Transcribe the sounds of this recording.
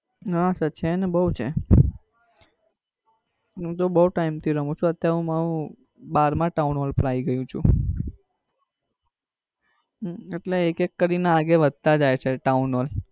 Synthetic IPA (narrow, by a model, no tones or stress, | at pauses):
ɦasət͡ʃʰenebəut͡ʃʰe | ɦũt̪̬obəuʈaimt̪ʰiɾəɦũt͡ʃʰũət̪jaɾeũmaɾũ | baɾmãʈaunolpəɾaiɡəjũt͡ʃʰṵ̃ | eʈleːkekːəɾinaːɡeʋəd̪̚ʱt̪ad͡ʒajt͡ʃʰeʈaunol